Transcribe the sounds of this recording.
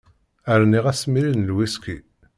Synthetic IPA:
əɾniʁæsmilinəlwiski

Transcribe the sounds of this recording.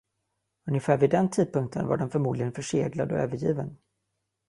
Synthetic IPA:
ɵnjɛfæːɾvɪd̪ɛnt̪ʰiːd̪̚pɵŋk̚t̪ʰənva̰ɖɛnfœɾmuːd̪lɪɡənfœʂeːɡlad̪ɔ̰ø̰ːvəɾjiːvən

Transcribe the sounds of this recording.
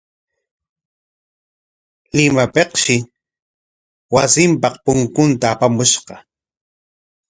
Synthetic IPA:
lɪmapeqʃɪ | wasɪmpɑqpʊŋkʊnt̪aːpamʊʃɢɑ

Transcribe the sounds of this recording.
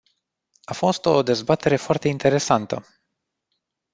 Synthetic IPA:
afo̞st̪o̞d̪e̞zbat̪e̞ɾe̞foart̪e̞int̪e̞ɾe̞sant̪ə̰

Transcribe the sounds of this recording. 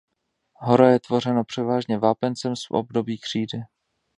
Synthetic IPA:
ɦoɾajɛt̪vo̞r̝ɛnopr̥ɛvaːʒɲɛvaːpɛnt͡sɛmsfʔo̰b̚do̞biːkr̝̥iːdɪ

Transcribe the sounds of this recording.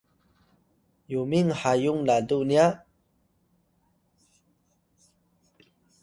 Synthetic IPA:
jumiŋhajuŋladuʔniaʔ

